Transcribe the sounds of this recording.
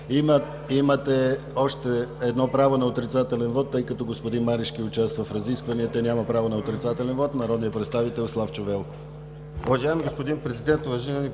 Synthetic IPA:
imə | imɐt̪ɛɔʃt̪ɛɛd̪nɔpɾavonɐot̪ɾit̪sat̪ɛlɛnvɔt̪ːɤjkɐt̪ɔɡospod̪inmaɾiʃk̟iʊt͡ʃast̪vəfɾɐziskvɐniɛt̪ɛnʲamɐpɾavonɐot̪ɾit̪sat̪ɛlɛnvɔt̪nɐɾɔd̪nijəpɾɛt̪st̪avit̪ɛlˠslˠaft͡ʃovɛlˠkof | ovɐʒaɛmiɡospod̪inpɾɛzid̪ɛnt̪ʊvɐʒinəni

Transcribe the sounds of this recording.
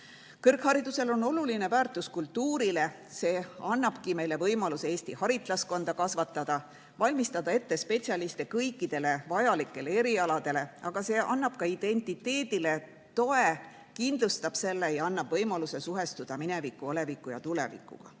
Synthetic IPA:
kɤrkhɑɾid̪̥use̞lo̞no̞luline̞væːrt̪ːˑuskult̪ːuːɾile̞ | se̞ːɑnːɑb̥kime̞jle̞vɤjmɑluseeːst̪ihɑɾit̪ˑlɑsko̞nd̪̥ɑkɑsvɑt̪ːˑɑd̪̥ɑ | vɑlʲmist̪ɑd̪̥ɑe̞t̪ːe̞spe̞t̪siɑlist̪ekɤjkˑːid̪̥e̞le̞vɑjɑlikːˑe̞le̞e̞ɾiɑlɑd̪̥e̞le̞ʔɑɡ̥ɑse̞ːʔɑ̰nːɑb̥̚kɑid̪̥e̞nʲt̪ˑit̪ːe̞ːd̪̥ile̞ | t̪o̞e̞ | kind̪lust̪ɑb̥se̞lːe̞ejɑnːɑb̥vɤjmɑluse̞suɦe̞st̪ud̪̥ɑmine̞vikːˑuole̞vikːˑujɑ̰t̪ulḛvḭkːˑṵɡ̥ɑ̰

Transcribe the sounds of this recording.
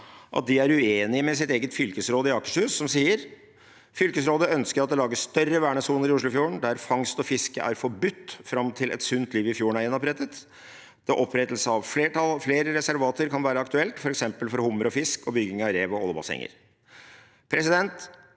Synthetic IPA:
ʔɑ̰t̪̚d̪ɪæɾʉeːnɪəmɛsɪt̪eːɡət̪fʏlkəsɾoːd̪əɪɑːkə̥ʂhʉːsːɔmsiːəɾ | fʏlkəsɾoːd̪əœnskəɾɑt̪d̪ɛlɑːɡəsst̪œrːəʋæːɳəsuːnəɾɪʊʂɭʊfjuːəɳd̪æɾfɑŋst̪ɔfɪskə̰ʔæ̰ɾfɔɾbʉt̪ːfɾɑmt̪ʰɪlʔɛ̰t̪sʉnt̪ʰliːʋɪfjuːəɳæɾjɛnːɔpɾɛt̪ət̪ | d̪̥ɛʔɔpʰːɾɛt̪lsəɑʋfleːɑfleːɾəɾɛsæɾʋɑːt̪əɾkʰɑnʋæːɾəɑkt̪ʉɛlt̪fɔɾɛksɛmpəlfɔɾhʊmːəɾɔfɪskɔbʏɡɪŋɑʋɾeːʋɔɔ̰lːəbɑ̰sɛ̰ŋːə̰ɾ | pʰɾɛsɪd̪ɛnt̪

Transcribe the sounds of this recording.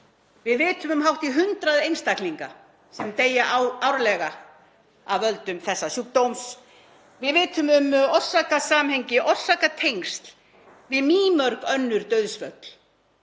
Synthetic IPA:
vɪðvɪːt̪ʏmʏmɦawht̪iɦʏnt̪ɾaðejnst̪akliŋka̰ | sɛmt̪eːjaʔaawɾlɛɣa | a̰vœlt̪ʏmθɛsːasjuːk̚t̪owms | vɪðvɪːt̪ʏmʏmɔr̥sakasaːmheɲcɪʔɔr̥sakat̪ʰejŋst̪l | vɪðmiːmœɾkœnːʏɾt̪œɥðsvœp̪l̥

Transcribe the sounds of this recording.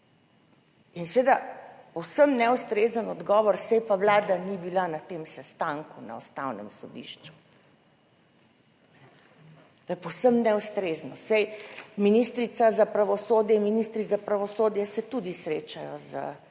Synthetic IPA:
insʋed̪apɔwsəmnɛwst̪ɾezənɔd̪ɡɔːʋɔɾsɛjpawlaːd̪anibilanat̪emsɛst̪aŋkuna̰ɔst̪awnɛ̰msɔd̪ḭʃt͡ʃu̥ | nɛ | t̪jɛpowsəmnɛwst̪ɾeznɔsɛjminist̪ɾit̪sazapɾaʋɔsoːd̪jɛinminist̪ɾizapɾaʋɔsoːd̪jɛsɛt̪ud̪isɾeːt͡ʃajɔzə̰

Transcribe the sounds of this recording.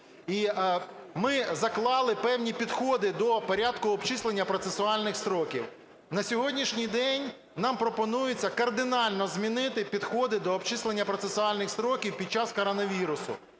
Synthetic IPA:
i | mɪzɐklˠɑlˠɪpɛwnʲipʲid̪xɔd̪ɪd̪ɔpɔɾʲad̪kʊɔbt͡ʃislˠenʲːɐpɾɔt̪sesʊɑlʲnɪxst̪ɾɔkʲiw | nɐsʲɔɦɔdʲnʲiʃnʲijd̪ɛnʲ | nɑmpɾɔpɔnujʊt͡sʲːɐkɐrd̪ɪnɑlʲnɔzmʲinɪt̪ɪpʲid̪xɔd̪ɪd̪ɔːbt͡ʃislˠenʲːɐpɾɔt̪sesʊɑlʲnɪxst̪ɾɔkʲiwpʲid̪̚t͡ʃɑskɔɾɔnɐʋʲiɾʊsʊ̰

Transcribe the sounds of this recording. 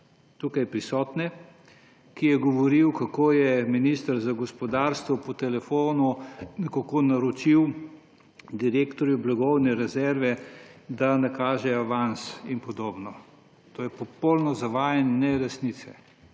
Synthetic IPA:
t̪ukajpɾisɔːt̪nɛ | kijɛɡɔʋɔɾiwkakoːjɛminist̪əɾzaɡɔspɔd̪aɾst̪ʋɔpɔt̪ɛlɛfoːnunkakoːnaɾɔt͡ʃiw | d̪iɾeːkt̪ɔɾjublaɡɔwnɛɾɛzɛɾʋɛd̪anakaːʒɛaʋansinpɔd̪oːbnɔ | t̪oːjɛpɔpɔlnɔzaʋaːjɛnːɛɾɛsnit̪sɛ

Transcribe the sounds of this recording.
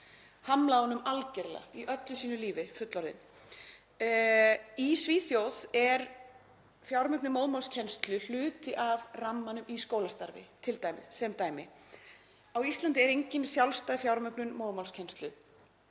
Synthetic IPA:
hamlaːɔnʏmalcɛɾla̰iʔœt̪lʏsiːnʏliːvɪfʏt̪lɔɾðɪ̰n | isviːθjowðɛɾ | fjawɾmœpnɪmoːwðmalscʰɛnst̪lʏl̥ʏːt̪ɪʔavramːanʏmiskoːwlast̪aɾvɪ̰t̪ʰɪlt̪aːjmɪ̰ðsɛmt̪aːjmɪ | awist̪lant̪ɪɛɾejɲcɪnsjawlst̪aːðfjawɾmœpnʏnmoːwðmawlscʰɛnst̪lʏ

